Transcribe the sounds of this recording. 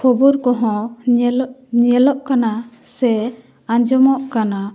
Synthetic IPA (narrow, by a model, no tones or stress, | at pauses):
kʰɔbuɾkɔɦɔ̃ | ɲɛlɔʔkana | sɛ | ãɲd͡ʒɔmɔʔkana